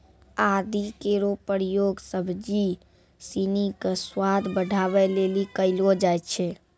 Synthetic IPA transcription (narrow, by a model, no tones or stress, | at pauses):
ad̪ikeɾopəɾijoːɡsəbʱd͡ʒi | sinikəswad̪ʱbəɖʱabɛlelikəɪlod͡ʒajt̪t͡ʃʰɛ